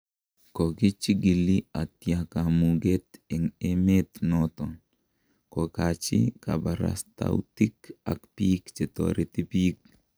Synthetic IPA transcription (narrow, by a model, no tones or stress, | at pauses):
kokit͡ʃiɡiliat̪jakamuɡet̪eŋemet̪nɔt̪ɔn | kokat͡ʃḭka̰baɾa̰st̪a̰wutika̰kpikt͡ʃet̪o̰ɾʔet̪ipik̚